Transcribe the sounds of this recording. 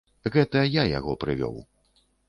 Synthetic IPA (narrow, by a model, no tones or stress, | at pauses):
ɣɛt̪ɐjaja̰ɣɔpɾɨvʲɔ̰w